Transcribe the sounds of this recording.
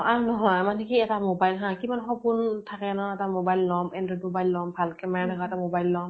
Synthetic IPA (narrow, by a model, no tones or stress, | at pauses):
aɹunɔɦɔjmanɛkiɛtamobajlɦãkimanxɔpuntʰakɛnɔɛtamobajlːɔmɛndɔdmobajlːɔmbʱalkɛmatʰaɡaɛtamobajlːɔm